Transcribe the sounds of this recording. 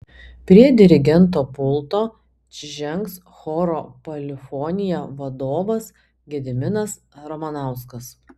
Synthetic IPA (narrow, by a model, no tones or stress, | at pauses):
pʲɾʲiɛd̪ʲɪɾʲɪɡʲɛnt̪̬oːpʊlˠt̪oː | t͡ʃʲɪʒʲɛŋks | xoːɾoːpɐlʲɪfoːnʲɪjɛʋɐd̪oːʋɐs | ɡʲɛd̪ʲɪmʲɪnɐs | ɾɐmɐnɑˑʊskɐs